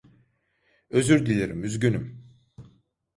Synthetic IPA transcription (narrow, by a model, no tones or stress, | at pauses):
ø̞zyɾd̪ilʲeɾimyzɟynym